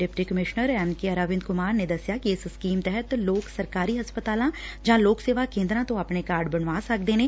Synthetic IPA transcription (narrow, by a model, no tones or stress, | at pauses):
ɖɪpʈikəmɪʃnəɾɛːnkiɐɾaːʋɪ̃nd̪kʊmaːɾned̪ɐsjakiɪsskiːmt̪ɛɦət̪loːksɐɾkaːɾiɦɐspət̪aːlãd͡ʒãːloːkseːʋakẽːnd̪ɾãt̪õɐpnekaːɾɖ̚bɐnʋaːsɐk̚d̪eːneː